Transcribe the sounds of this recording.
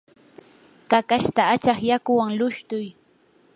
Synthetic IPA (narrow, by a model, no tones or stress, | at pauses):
kakaʃt̪aːt͡ʃɑχjakʊwaŋlʊʃt̪ʊj